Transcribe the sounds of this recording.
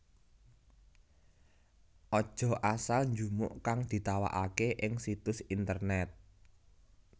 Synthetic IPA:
ʔɔd̥ʒ̥ɔ̤asalɲd͡ʒumʊ̰ʔkaŋd̪̥i̤t̪awa̰ʔakeʔɪŋsit̪ʊsint̪ərnɛt̪̚

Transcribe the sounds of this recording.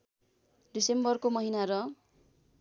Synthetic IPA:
ɖisembʌrkomʌɦinaɾʌ

